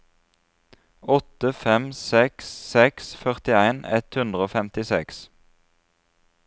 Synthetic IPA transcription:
ɔt̪əfɛmsɛkssɛksfœʁt̪ɪæɪnɛ̰t̪hʉnd̪ʁəoːfɛmt̪ɪsɛ̰ks

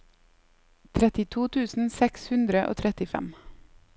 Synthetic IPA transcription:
t̪ʰɾɛt̪ɪt̪ʰuːt̪ʰʉːsn̩sɛkshʉnd̪ɾəʔo̰ːt̪ʰɾɛt̪ɪfɛ̰m

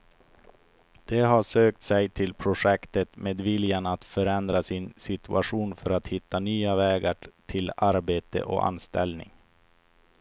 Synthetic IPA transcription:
d̪̥ɛɦaʂøːk̚t̪sɛjt̪ʰɪlpʰɾʊʂɛkt̪ət̪meːd̪vɪljanat̪fœɾɛnd̪ɾasɪnsɪt̪ɵʔaɧuːnfœɾat̪hɪt̪ːanyːavɛːɡaʈʰɪlaɾbeːt̪ə̰ʔɔ̰ʔa̰nst̪ɛ̰lnɪ̰ŋ

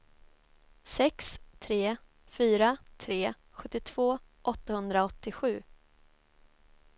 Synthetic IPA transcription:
sɛkst̪ʰɾeː | fyːɾat̪ʰɾeː | ɧɵt̪ːɪt̪ʰv̥oː | ʔɔt̪ːahɵnd̪ɾaɔt̪ːɪɧʉ̟ː

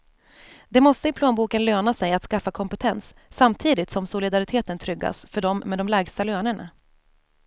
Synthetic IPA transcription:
d̪ɛmɔst̪əɪpʰloːnbuːkənløːnasɛjat̪skafːakʰɔmpɛt̪ʰɛnsː | amt̪ʰiːd̪ɪt̪sɔmsʊlɪd̪aɾɪt̪ʰeːt̪ənt̪ʰɾʏɡːa̰sfœɖɔmmːɛd̪ɔmlæːɡst̪aløːnəɳa̰

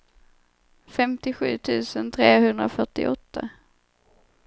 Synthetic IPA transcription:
fɛmt̪ɪɧʉ̟ːt̪ʰʉ̟ːsənt̪ʰɾeːhɵnd̪ɾafœʈɪ̰ʔɔt̪ʰːa

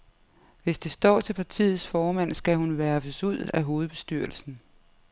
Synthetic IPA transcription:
ʋe̝sd̥e̝sd̥ɒ̰ːt͡sʰe̝lpʰɑ̈t͡sʰḭːð̩ˠsfɒːmæn̰sɡ̥æɦunʋæɐb̥əsuð̞̰ˠæɦo̝ːð̞̩ˠb̥e̝̥sd̥yɐ̰lsn̩

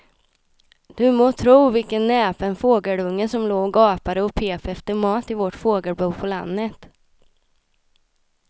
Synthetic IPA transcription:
d̪̥ɵmoːt̪ʰɾuːvɪlkənːɛːpənfoːɡəɖɵŋːənsɔmloːɡɑːpaɾəɔpʰeːpɛft̪əɾmɑːt̪ɪvɔʈfoːɡəɾbuːpʰɔla̰nd̪ət̪

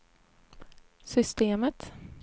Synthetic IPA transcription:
sʏst̪eːmət̪

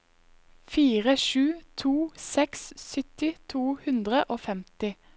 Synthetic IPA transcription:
fiːʁəʃʉːt̪ʰuːsɛkssʏt̪ɪt̪ʰuːhʉnd̪ʁəʔoːfɛmt̪ɪ

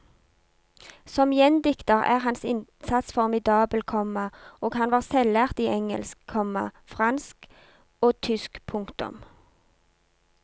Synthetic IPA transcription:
sɔmjɛnd̪ɪkt̪əʁæ̰ːʁɦɑnsɪnsɑt̪sfɔʁmɪd̪ɑːbəlkʰɔmɑoːɡhɑnʋɑːʁsɛlæʁt̪iːʔɛŋə̰lskkʰɔmɑ̰fʁɑnsk | oːt̪ʰʏskpʰʊŋkt̪ʊ̰m

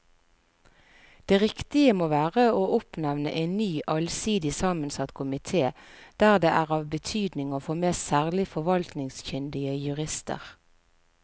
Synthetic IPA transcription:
d̪̥eːʁɪkt̪ɪəmoːʋæːʁəoːʔʊpnɛʋnə̰ʔeɪnnyːʔɑlsiːd̪ɪsɑːmənsɑt̪kʰʊmɪt̪ʰeːd̪̥æːʁd̪eːʔæːʁɑːʋbət̪ʰyːd̪nɪŋoːfoːmeːssæːʁlɪfɔʋɑlt̪nɪŋsçʏnd̪ɪəjʉʁɪst̪ə̰ʁ

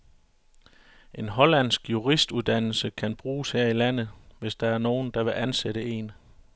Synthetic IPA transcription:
ʔe̝nɦɒ̽læn̰sɡ̥juʁisd̥uðˠd̥æn̰l̩səkʰænb̥ʁuːsheɐ̰ilæn̰ð̞̩ˠʋe̝sd̥ɑ̈æɐno̝ːn̩d̥ɑ̈ʋe̝ʔænseɾ̥əe̝n

